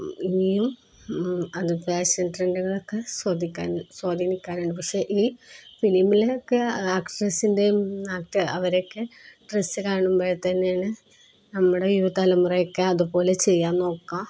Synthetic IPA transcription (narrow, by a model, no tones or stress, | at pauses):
inijum | ɐðɨpeːɕɐnʈreɳɖuɣɐɭokːesod̪ʱikʲːasoːd̪ʱinikʲːaːnuɳɖɨpɐkʂe̞ʔiːfilimileokːeaːkʈrɐsinde̞aːk̚ʈɨɐʋɐɾo̞kːeʈresɨkaːɳumbeːjt̪ɐnːejaːɳɨ | nɐmːuɽe̞juɐt̪alɐmureokːeɐðupo̞ːle̞t͡ɕe̞jːaːnːo̞ːkːa